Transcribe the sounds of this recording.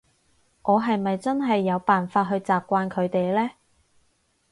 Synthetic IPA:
ŋʔɔː˨˧ɦɐ˨jmɐ˨jt͡sɐ˥nɦɐ˨jːɐ˨˧wpaː˨nfaː˧˥t̚ɦɵ˧ɥt͡saː˨p̚kʷaː˧nkʰɵ˨˧ɥt̪e˨jlɛː˥

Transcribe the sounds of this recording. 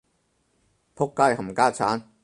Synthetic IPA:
pʰʊ˥kːaː˥jhɐ˨˩mkaː˥t͡sʰaː˨˥n

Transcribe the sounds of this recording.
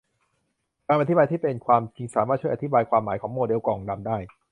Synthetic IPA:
kaː˧mʔa˧t̪ʰi˦˥baː˧t̪ʰiː˥˩pe˧nkʰwaː˧mt͡ɕi˧ŋsaː˩˦maː˥˩t̪̚t͡ɕu˥˩˨ʔa˨i˦˥baː˧jkʰwaː˧mːaː˩˦jkʰɔː˩˦ŋmoː˧de˧wkɔː˨˩ŋda˧mdaː˥˩j

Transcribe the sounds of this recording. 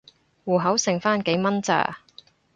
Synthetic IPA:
wuː˨˩ɦɐ˨˥wsɪ˨ŋfaː˥nke˨˧˥jmɐ˥nt͡sa̰ː˨˧˩

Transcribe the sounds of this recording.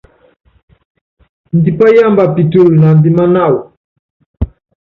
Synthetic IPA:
ndi˨pa˦ja˦mba˨pi˨tu˦˨lna˨ndi˨ma˦na˦˨wu˨

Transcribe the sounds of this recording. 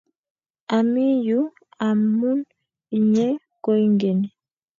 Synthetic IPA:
a˨mi˦ju˦ | a˨mu˦n | i˨ɲɛ˦ | ko˦jŋɡɛ˨nɛ˨

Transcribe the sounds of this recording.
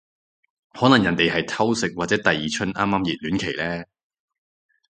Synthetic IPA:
hɔː˨˥nɐ˨˩ŋjɐ˨˩nt̪e˨jɦɐ˨jt̪ʰɐ˥wsɪ˨k̚waː˨t̚t͡sɛː˨˥t̪ɐ˨jiː˨t͡ʃʰɵ˥nʔaː˥mːaː˥mjiː˨˩t̚lyː˨˥nkʰe˨˩jlɛː˥

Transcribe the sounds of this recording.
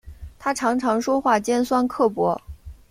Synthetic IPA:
t̪ʰa˥ʈ͡ʂʰɑ˧˥ŋʈ͡ʂʰɑ˧˥ŋʂwɔ˥xwa˥˩t͡ɕjɛ˥nswa˥nkʰɤ˥˩pwɔ˧˥

